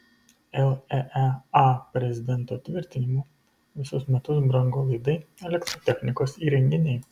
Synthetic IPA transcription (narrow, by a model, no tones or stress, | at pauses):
ɛlˠɛʔɛɑpʲɾʲɛzʲɪd̪ʲɛnt̪oːt̪ʲʋʲɪɾʲt̪ʲɪnʲɪmoː | ʋʲɪsʊsmʲɛt̪ʊsbɾɐŋɡoːlˠɐɪd̪ɐɪɛlʲɛkt̪ɾoːt̪ʲɛxʲnʲɪkoːsiːɾʲɛŋʲɡʲɪnʲɛɪ